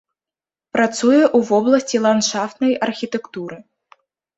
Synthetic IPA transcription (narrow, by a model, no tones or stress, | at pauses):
pɾat̪sujɛʔuvɔblˠɐsʲt͡sʲilˠanʂaft̪nɐjɐrxʲit̪ɛkt̪uɾɨ